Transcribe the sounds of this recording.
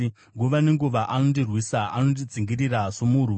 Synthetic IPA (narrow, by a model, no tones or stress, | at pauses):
ŋɡoʋaneŋɡuʋaʔanondirwisaanondid͡ziŋɡiɾirasomuru